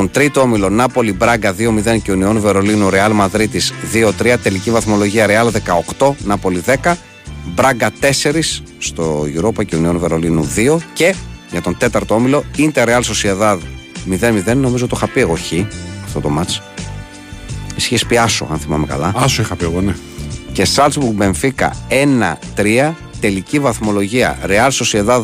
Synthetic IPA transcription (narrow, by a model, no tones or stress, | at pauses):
t̪o̞nt̪ɾit̪oomilo̞nɐpo̞libɾɐɡɐðio̞miðe̞nceonio̞nve̞ɾo̞linuɾe̞ɐlmɐðɾit̪isðio̞t̪ɾiɐt̪e̞licivɐθmo̞lo̞ʝiɐɾeɐlðe̞kɐo̞kt̪o̞nɐpo̞liðe̞kɐ | bɾɐŋɡɐt̪e̞se̞ɾisː | t̪ojuɾopɐceonio̞nve̞ɾo̞linṵðio̞ce̞ʝɐt̪o̞nt̪e̞t̪ɐɾt̪oomilo̞int̪eɾeɐlso̞sieðɐðmiðenmiðe̞nːo̞mizot̪oxɐpieɣo̞çiɐft̪o̞t̪o̞mɐt͡s | isi̥çespiɐso̞̰ɐ̰nθimɐmekɐ̰lɐɐsoixɐpieɣone | ce̞sɐlzbuɾɣbe̞ɱfikɐ̰e̞nɐ̰t̪ɾiɐ | t̪e̞licivɐθmo̞lo̞ʝiɐ̰ɾeɐlso̞sieðɐð